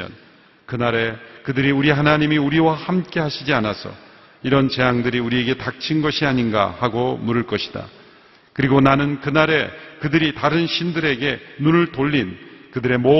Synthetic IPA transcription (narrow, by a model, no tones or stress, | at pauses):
ʌ̰n | kɯnaɾe̞kɯdɯɾiuɾiɦanaɲimiuɾiwahamk͈e̞ɦaɕʰid͡ʑianasʰʌ̰ | iɾʌnt͡ɕe̞aŋdɯɾiuɾie̞ɡe̞tak̚t͡ɕʰinɡʌɕʰiaɲinɡa̰haɡomuɾɯɭk͈ʌɕʰi̥d̥a̰ | kɯɾiɡonanɯnkɯnaɾe̞kɯdɯɾitaɾɯnɕʰindɯɾe̞ɡe̞nunɯɭtoʎːinkɯdɯɾe̞mo